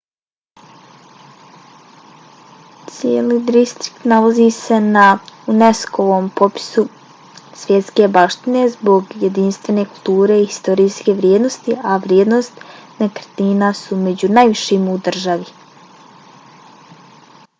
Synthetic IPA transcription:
t̪sjeliːd̪ɾist̪ɾi̥k̚t̪nalaziːse̞naunesko̞ʋo̞ːmpo̞pi̥su | sʋʲje̞t̪ske̞baʃt̪ine̞zbo̞ɡjed̪inst̪ʋe̞ne̞kulˠt̪uːɾe̞iist̪o̞ɾiːske̞ʋɾje̞ːd̪no̞st̪iʔaʋɾjeːd̪no̞st̪nekrt̪iːnasume̞d͡ʑunajʋiʃimud̪r̩ʒaʋi

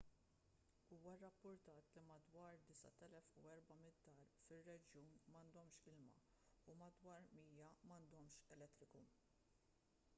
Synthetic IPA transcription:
uːwɐrːɐpːʊɾt̪ɐːt̪limɐd̪wɐːɾd̪ɪsɐ̰t̪ɛlɛfuɛɾbɐmɪtd̪ːɐːɾfɪrːɛd͡ʒjuːnmɐnd̪ɔmʃkɪlmɐ̰ | umɐd̪wɐːɾmiːjɐmɐnd̪ɔmʃɛlɛt̪ːɾɪku

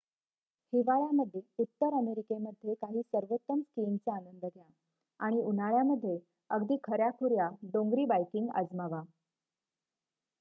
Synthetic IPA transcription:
hiʋaɭjaməd̪ʱːjeut̪ːəɾəmeɾikeməd̪ʱːjekaɦiːsəɾʋot̪ːəmskiːmt͡seanənd̪əɡʱja | aɽ̃iun̤aɭjaməd̪ʱːje | əɡd̪iːkʰəɾjakʰuɾjaɖõŋɡɾiːbajkiŋɡə̰d͡zmaʋa

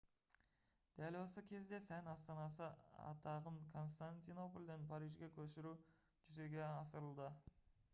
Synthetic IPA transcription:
d̪̥ælwo̞səkʲʰe̞zd̪e̞sænɑst̪ɑnɑsəɑ̰t̪ɑʁəɴkʰo̞nst̪anʲt̪ino̞polʲd̪enpʰɑɾiʒɡʲekʲʰɵsɪɾu | ʒ̥ʏze̞ɡʲe̞ɑsəɾəlˠd̪ə

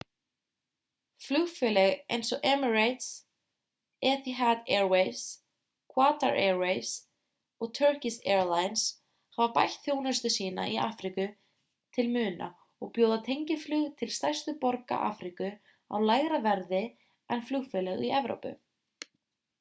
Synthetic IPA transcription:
flʏɣfɛːlɛɣḛjnsɔʔɛmʏɹajt̪s | ɛːθiɦat̪ɛɹwejs | kʰwaːt̪a̰ɾʔɛɹwejs | ɔɣt̪ʰœɹcisɛːɹlaːjns | havapajht̪θjownʏst̪ʏsiːna̰ʔiʔa̰ːfɾikʏ | t̪ʰɪlmʏːna̰ | ɔɣpjoːwðat̪ʰejɲcɪflʏːɣt̪ʰɪlst̪ajr̥st̪ʏpɔɾka̰ʔa̰ːfɾikʏ | a̰wlajɣɾavɛɾðɪ | ɛnflʏɣfɛːlɛɣiɛvɾo̰wpʏ̰

